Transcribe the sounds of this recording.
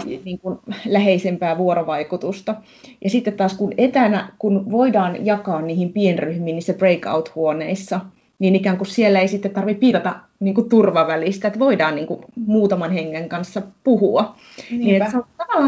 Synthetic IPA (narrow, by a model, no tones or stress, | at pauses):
niːŋkunlæheisempæːʋuoɾoʋɑikut̪ust̪ɑ | jɑsit̪ːet̪tɑːskunet̪ænæ̰kunʋoidɑːnjɑkɑːnniːhimpienryhmiːniːsːæb̥reikɑ̰ut̪huoneisːɑ | niːnikæːŋkussielːæeisit̪ːet̪t̪ɑrʋippiːtɑt̪ɑ | niːŋkutt̪urʋɑʋælist̪æet̪ʋoidɑːnniːŋkumuːt̪ɑmɑnheŋːeŋkɑnsːɑpuhuɑ | niːneseot̪ɑʋɑlːɑ